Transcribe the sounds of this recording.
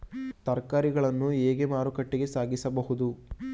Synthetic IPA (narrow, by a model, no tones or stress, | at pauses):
t̪ɐɾkaːɾiɡɐɭɐnːueːɡemaːɾukɐʈːiɡe̞saːɡisɐbɐɦud̪u